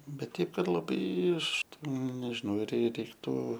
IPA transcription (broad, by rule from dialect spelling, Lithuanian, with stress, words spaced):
ˈbʲɛt ˈtʲɛɪp ˈkɐt lˠɐˈbɐɪ ˈɐʃ ˈtʲɛn nʲɛʒʲɪˈnɐʊ ɪr rʲɛɪ rʲɛɪkˈtuː